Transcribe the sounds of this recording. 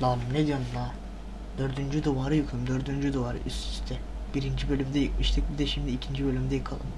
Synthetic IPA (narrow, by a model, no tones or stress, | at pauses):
lalˠɯmned̪ijonund̪ˠa | d̪̥ø̞ɾd̪ynd͡ʒyd̪uvaɾɯjukʰuɯmd̪øɾd̪ynd͡ʒyd̪uvaɾɯ̰ʔyst̪i̥st̪ʰɛ | b̥iɾind͡ʒibø̞lʲymd̪ɛjɯkmɯʃt̪ʰɯk̚bid̪ɛʃimd̪iːcʰind͡ʒibø̞lʲymd̪ɛjɯkʰalˠɯm